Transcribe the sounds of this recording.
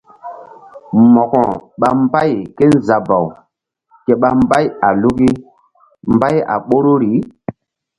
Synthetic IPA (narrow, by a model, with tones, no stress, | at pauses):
mɔ˨kɔ˨ɓa˨m˦ba˦˨jke˦n˦˨za˨ba˨w | ke˨ɓa˦mba˦ja˨lu˦ki˦ | mba˦ja̰˨ɓo˦ɾo˦ɾi˨˦